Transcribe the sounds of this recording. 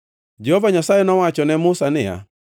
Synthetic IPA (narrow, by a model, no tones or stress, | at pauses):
d͡ʒɛhɔvaɲasaɛnɔwat͡ʃɔnɛmʊsanɪja̰